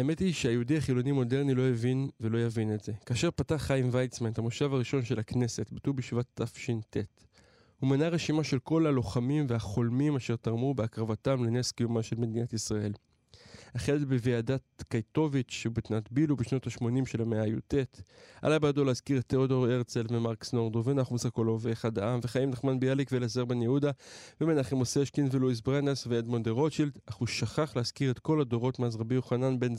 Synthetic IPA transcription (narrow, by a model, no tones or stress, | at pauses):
aemetiʃeajiudiaχilo̞nimo̞de̞ʁnilo̞jevinvelo̞javine̞tz̥e̞kaːʃe̞ʁpataχajimvajt͡smantamoʃavaʁiʃo̞nʃe̞lakne̞se̞tbatubiʃvat̪ːafʃinte̞t | humanaʁe̞ʃimaʃe̞lko̞lalo̞χamimvehaχo̞lmimaʃe̞ʁtaʁmubeakʁavatamlene̞skejumaʃe̞lme̞d̪inatisʁae̞l | haχeletbeveadat̚kajto̞vit͡ʃʃeubet̪natbilubeʃno̞taʃmo̞nimʃe̞lameajute̞tʔa̰lajbeadoleazkiʁetʰːeodo̞ʁeʁt͡selvemaʁksno̞ʁdoveanaχumusakolooveχadaamveχaimlaχmanbejalikvelazeʁbenjeudavemenaχemoseʃkinveluis̬bʁenesveedmo̞ndeʁo̞t͡ʃild̪aχuʃaχaχleaz̥kiʁe̞t̪ko̞lado̞ʁo̞tmazʁabijoχananbe̞nz